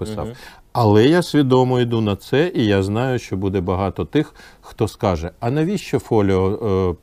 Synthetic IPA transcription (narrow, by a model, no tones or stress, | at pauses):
pɪsɑ̰w | ɐlˠɛjasʲʋʲid̪ɔmɔid̪unɐt̪sɛʔijaznɑjʊʃt͡ʃɔbud̪ɛbɐɦɑt̪ɔt̪ɪxxt̪ɔskɑʒɛɐnɐʋʲiʃt͡ʃɔfɔlʲɔɔ